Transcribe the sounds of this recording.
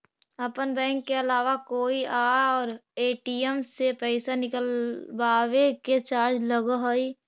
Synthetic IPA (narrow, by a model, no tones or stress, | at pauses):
əpənbɛ̃ːŋkːeəlaːʋakoːiʔaːɔːɾeːʈiemsepɛɪsanɪkəlbaːweket͡ʃaːɾd͡ʒləɡaɦoːiː